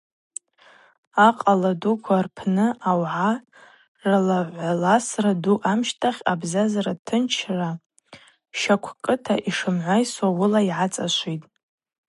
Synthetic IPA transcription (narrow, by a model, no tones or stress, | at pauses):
aqʼaladukʷʰarpʰnɨʔawʕa | ralaʕʷalasraduʔamʃtʰaχʲabzazaɾatʰɨnt͡ʃʰra | ʃakʷʰkʼɨtʰaʔiʂɨmʕʷajswawʊlaiʕat͡sʼaʃʷitʼ